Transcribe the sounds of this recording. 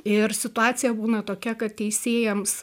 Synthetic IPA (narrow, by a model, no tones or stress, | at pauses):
ɪrsʲɪt̪ʊɑːt͡ssʲɪjɛbuːnɐt̪oːkʲɛkɐt̪̚t̪ʲɛɪsʲeːjɛms